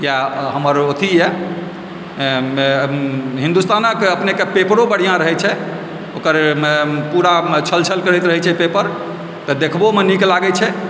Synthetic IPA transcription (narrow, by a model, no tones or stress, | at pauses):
jaɦəməɾot̪ʰijɛ | ɦĩnd̪ust̪anəkəpnekepepɾobəɽ̤ijãɾəɦɛt͡ʃʰɛ | okəɾpuɾat͡ʃʰəlt͡ʃʰəlkəɾɛt̪ɾəɦɛt͡ʃʰɛpepəɾ | t̪ɔd̪ekʰbomeniklaɡɛt͡ʃʰɛ